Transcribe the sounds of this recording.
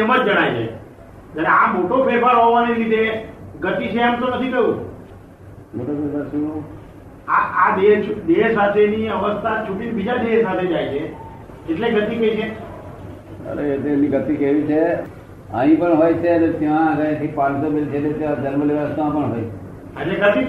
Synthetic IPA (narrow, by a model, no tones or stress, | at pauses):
əmət̪̚d͡ʒəɽ̃ajt͡ʃʰḛ | d͡ʒ̪jaɾeamoʈopepaɾɦoʋaneɾit̪eɡət̪it͡ʃʰeamt̪onət̪ʰikəũ | moʈopepaɾʃũ | aad̪ed̪esat̪ʰeniəʋəst̪ʰat͡ʃʰuʈinibid͡ʒad̪esat̪ʰed͡ʒajt͡ʃʰeː | ʈleɡət̪ikeit͡ʃʰe | ə̰ɾḛet̪emniɡət̪ikeʋit͡ʃʰe | ə̰̃ɦĩpəɳɦojt͡ʃʰeənet̪jãɡə̃ãt̪ʰipãnsobelt͡ʃʰelet̪ãd͡ʒəɾməliʋəəst̪ãpəɳɦoie | əʈleɡət̪i